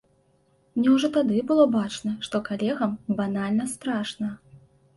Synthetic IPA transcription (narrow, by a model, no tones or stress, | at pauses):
mnʲɛwʐɔt̪ad̪ɨbɨlˠɔbat͡ʂnɐʂt̪ɔkalʲɛɣɐmbanalʲnɐst̪ɾaʂnɐ